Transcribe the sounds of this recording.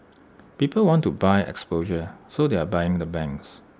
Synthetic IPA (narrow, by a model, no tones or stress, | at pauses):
piːpəlwɔ̃ntubaɪɛ̰kspoʒəsodeabajɪ̃ŋdəbɛ̃ŋks